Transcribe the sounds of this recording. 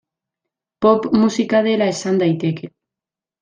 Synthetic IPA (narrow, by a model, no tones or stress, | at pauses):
popmusikaðelaesand̪ajt̪eke